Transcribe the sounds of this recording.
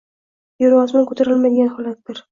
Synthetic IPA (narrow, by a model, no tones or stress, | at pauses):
joɾwɒzmankʰɵt̪ʰaɾɪlmad̪ɪɡʲanhɒlat̪̚d̪ɪɾ